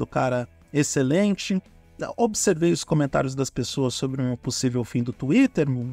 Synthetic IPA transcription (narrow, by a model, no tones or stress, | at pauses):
d̪ʊkaɾɐ | eselẽnt͡ʃɪ | obɪseɾvejʊskõmẽnt̪a̰ɾjʊzd̪ɐspesoɐsːobɾɪũposivewfĩd̪ʊt̪uit̪eɾ